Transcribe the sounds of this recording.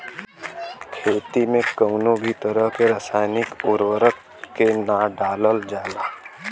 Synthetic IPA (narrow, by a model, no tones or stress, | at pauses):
kʰeːt̪imẽkəʊnõbʱit̪əɾəɦkeɾəsaːɪnɪkʊɾwəɾəkː | enaɖaːləld͡ʒaːlaː